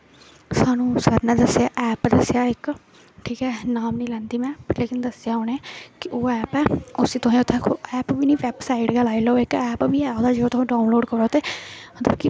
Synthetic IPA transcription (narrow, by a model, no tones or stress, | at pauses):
saːnũːsəɾnɛ̃ːd̪əsjaːʔɛːpd̪əsjaːɪk | ʈʰiːkɛːnaːmnĩːlɛ̃ːnd̪iːmɛ̃ːleːkɪnd̪əsjaːɦʊneːkɪʔoːɛːpɛːʊsiːt̪ʊɦĩːʊt̪ʰːɛ̃ːkʰoɛːpbiːnĩːʋɛːbsaːɪɖɡəlaːilɛoɪkɛːpbiːɛːoːd̪aːd͡ʒeoːt̪ʊĩːɖaːʊnloːɖkəɾoːt̪eːd̪əɾki